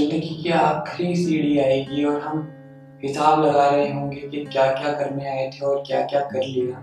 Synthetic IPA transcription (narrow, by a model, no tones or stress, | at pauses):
nekikjaaːkʰɾisiːɽiaːeːɡiɔːɾɦɐm | ɦɪsaːblɐɡaːɾɐɦẽɦõːŋɡekekjaːkjaːkɐɾnẽaːet̪ʰeɔːɾkja̰ːkjaːkɐɾlieɡaː